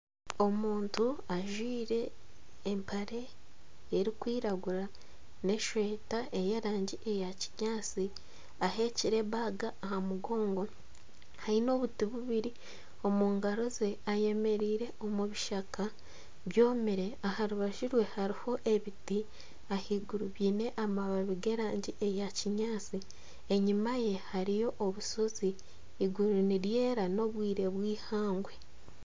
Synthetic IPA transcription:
o̞muːntuaʒwiːɾe̞ː | mpʰaɾe̞ː | ɾikwiːɾaɡuɾa | ne̞ʃwe̞ːtae̞jeɾaːɲɟiʔejaciɲaːsi | aɦe̞ciɾe̞βaɡaːhamuɡo̞ːŋɡo̞ | haino̞βutiβuβiɾi | o̞muːŋɡaɾo̞ze̞aje̞me̞ɾiːɾe̞o̞muβiʃaka | βjo̞ːmiɾe̞ahaɾuβaʒiɾwe̞haɾiho̞ʔe̞βiti | ahiɡuɾuβiːne̞ʔamaβaβiɡe̞ɾaːɲɟiʔejaciɲaːt͡si | eɲimaje̞haɾijo̞ʔːβuso̞ziː | ɡuɾuniɾje̞ːɾano̞βwiːɾe̞βwiːhaːŋɡwe̞

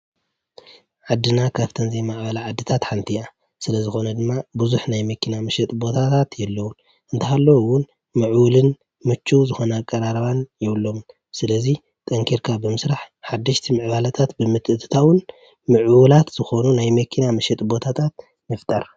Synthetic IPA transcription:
ʕad̪ːɨnakʰaβt̪ʰɐnzimaʕbɐlaʕad̪ːɨt̪ʰat̪ħant̪ʰia | sɨlɐzɨxo̞nɐd̪ɨmːabuzuħnajmɐkʰːinamɐʃɛt̪ʼbo̞t̪ʰat̪ʰat̪jɛlːɐwun | ʔɨnt̪ʰɐhalːɐwwʊn | mɨʕwulɨn | mɨt͡ʃːuzɨxo̞nɐːkʼːɐɾaɾɐβanjɛβɨlːo̞m | sɨlɐzi | t̪ʼɐŋkʰiɾkʰabɨmɨsɾaħħad̪ːɐʃt̪ʰimɨʕβalɐt̪ʰat̪bɨmɨt̪ʰɨʔɨt̪ʰɨ̥t̪ʰawʊn | mɨʕwɨlat̪z̥ɨxo̞nunajmɐkʰːinamɐʃɛt̪ʼbo̞t̪ʰat̪ʰat̪̚ | mɨft̪ʼɐɾ

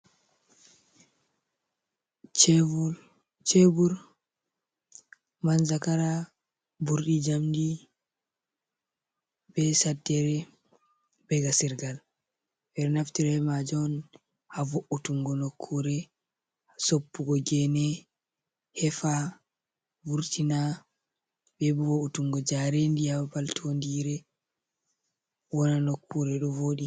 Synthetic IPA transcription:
t͡ʃ | t͡ʃebuɾ | manzakaɾa | buɾɗid͡ʒamdi | bɛsadːɛɾɛ | bɛɡasiɾɡal | bɛɾnaftiɾɛmad͡ʒɔn | havoʔutuŋɡɔnokʰːuɾɛ | sopːuɡɔɡɛnɛ | hɛfa | vuɾtina | bɛbuvoʔutuŋɡɔd͡ʒaɾɛndijabaltʰondiɾɛ | wɔnanokʰːuɾɛɗɔvoːɗi

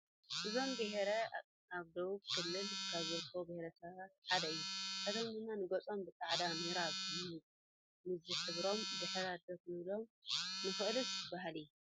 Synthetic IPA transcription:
ʔɨzo̞mbeɦeɾɐ | aβd̪owuβ̚kʰɨlːɨlkʰaβzɐɾkʰobehɾɐsɐββat̪̚ʕad̪ɐjːukʰɐt̪ʰomɡɨnːanɨɡot͡sʼo̞mbɨkʼaʕd̪amɨhɾaβɨjɨu | mɨzɨħɨβɾo̞mzɨħɐɾad̪ɐt̪nɨlo̞mnɨxɨʔlusʰɨbaɦalɨjːu

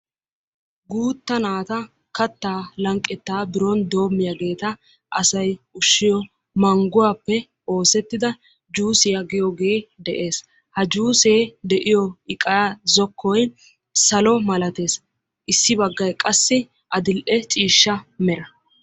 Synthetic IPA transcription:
ɡuːt̪ːɐnaːt̪ɐ | kɐt̪ːaːlɐŋkʼːɛt̪ːaːbɪɾoːnd̪o̞ːmːɪjɐɡe̞ːt̪ɐ | ʔɐsɐjʊʃːɪjɔ | mɐŋɡʊwapːɛ | o̞ːsɛt̪ːɪd̪ɐ | d͡ʒuːsɪjɐɡɪjɔɡe̞ːd̪ɛʔe̞ːs | hɐd͡ʒuːseːd̪ɛʔɪjɔɪkʼɐjaːzɔkʰːɔj | sɐlɔmɐlɐt̪e̞ːs | ʔɪsːɪbɐɡːɐjkʼɐsːɪ | ʔɐd̪ɪlʔɛt͡ʃʼiːʃːɐmɛɾɐ

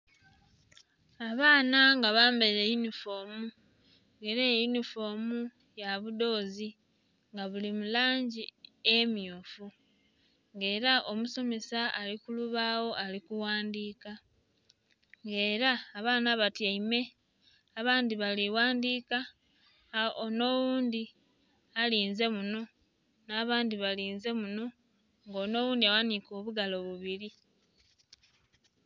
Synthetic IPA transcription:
aβaːnaŋɡaβaːmbeɾejunifo̞ːmu | ŋɡe̞ɾejunifo̞ːmu | jaβudo̞ːzi | ŋɡaβulimulaːɲɟiemjoːfu | ŋɡe̞ːɾaʔo̞muso̞me̞saalikuluβawo̞ʔalikuwaːndiːka | ŋɡe̞ːɾaːβaːnaβatjaime̞ | aβaːndiβaliwaːndiːka | ono̞wuːndi | aliːnze̞muno̞ | naːβaːndiβaliːnze̞muno̞ | ŋɡo̞ːno̞ːwuːndiawaniko̞ːβuɡalo̞βuβiɾi

